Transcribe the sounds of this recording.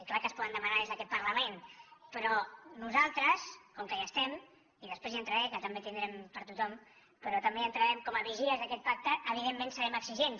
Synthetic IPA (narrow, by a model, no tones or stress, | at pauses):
iklakəspɔðənd̪əmanaezðəkɛt̪̚pəɾləmenpəɾɔnuzalˠt̪ɾəskɔŋkəjast̪ɛm | iðəspɾezant̪ɾəɾɛkət̪əmbet̪ind̪ɾɛmpəɾt̪ut̪ɔm | pəɾɔt̪əmbeənt̪ɾəɾɛmkɔməβiʒiəzðəkɛt̪̚pak̚t̪əʔːβiðemːẽnsəɾɛməksiʒens